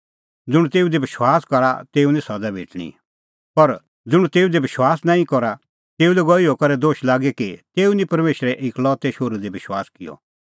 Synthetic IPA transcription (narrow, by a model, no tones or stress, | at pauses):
d͡zʊɽ̃t̪eːud̪ebɪʃwaːskɐɾa̰t̪eːunĩsɐd̪abʱḛːʈɽ̃ḭ | pɐɾ | d͡zʊɽ̃t̪eːud̪ebɪʃwaːsnãːĩkɔɾa | t̪eːulɛɡɔiɔkɐɾɛd̪oːʃlaːɡɛkit̪eːunĩpɐɾmeːʃɾɛʔɪklɔt̪ɛʃoːɾud̪ebɪʃwa̰ːskɪjɔ̰